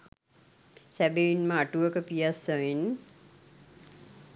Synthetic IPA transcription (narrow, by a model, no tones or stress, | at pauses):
sæbeinməaʈuʋəkəpijasəʋin